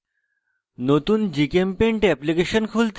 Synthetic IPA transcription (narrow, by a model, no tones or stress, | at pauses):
not̪uːnd͡ʑikempeɳʈɛplikeɕənkʰult̪